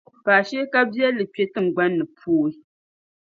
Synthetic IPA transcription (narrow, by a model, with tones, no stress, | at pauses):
paː˨ʃe˦ka˦bja˦lɨ˨pe˦tɨ˦ŋ̩˨ɡ͡ba˦nːɨ˨pʰuː˦i˦